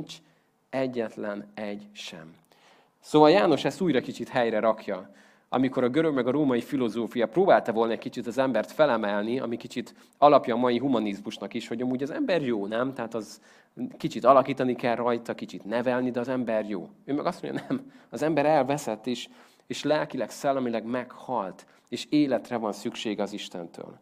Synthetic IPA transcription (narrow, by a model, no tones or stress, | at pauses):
t͡ʃ | ɛɟːɛt̪lɛnɛɟʃɛ̰m | soːvɒljaːno̞ʃɛst̪uːjɾɒkit͡ʃit̪hɛjrɛɾɒkʰjɒ | ɒ̰miko̞ɾɒɡøɾøɡmɛɡɒɾoːmɒjifilo̞zoːfijɒproːbaːlt̪ɒvo̞lnɒɛc̚ʲkit͡ʃit̪ɒzɛmbɛrt̪fɛlɛmɛlniɒ̰mikit͡ʃit̪ | ɒlɒpjɒːmɒjiɦumɒnizmuʃnɒkiʃho̞ɟɒmuːɟɒzɛmbɛrjoːnɛmt̪ɛɦaːt̪ɒz | kit͡ʃit̪ɒlɒkiːt̪ɒnikɛlrɒjt̪ɒkit͡ʃit̪nɛvɛlnid̪ɛːzɛmbɛrjo̰ːøːmɛɡɒst̪moɲɟjɑ̰nɛmɒzɛmbɛɾɛlvɛsɛt̪ːeːʃ | eːʃlɛlkilɛksɛlːɛmilɛɡmɛkhɒlt̪ | eːʃeːlɛt̪rɛvɒnsykʃeːɡɛɒziʃt̪ɛ̰nt̪ʰø̰ːl